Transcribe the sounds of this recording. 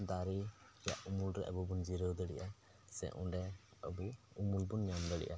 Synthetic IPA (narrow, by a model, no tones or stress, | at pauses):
d̪aɾi | ja̰ʔumulɾɛ̰ʔəbubund͡ʒiɾəwd̪əɽḭʔa | sɛ̰ʔṵ̃ɳɖɛəbu | umulbunːamd̪əɽḭʔa